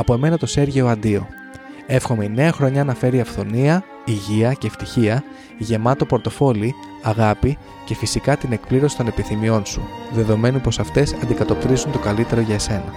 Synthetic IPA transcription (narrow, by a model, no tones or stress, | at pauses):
ɐpo̞e̞me̞nɐt̪o̞se̞ɾʝeoɐnd̪io̞ | e̞fxo̞meine̞ɐxɾo̞ɲɐnɐfe̞ɾiɐfθo̞niɐ | iʝiɐceːft̪içiɐ | ʝe̞mɐt̪o̞po̞ɾt̪o̞fo̞li | ɐɣɐpi | ce̞fisikɐt̪ine̞kpliɾo̞si̥t̪o̞ne̞piθimio̞nsuðe̞ðo̞me̞nupo̞sɐft̪e̞sɐnd̪ikɐt̪o̞p̚t̪ɾizunt̪okɐlit̪e̞ɾo̞ʝɐese̞nɐ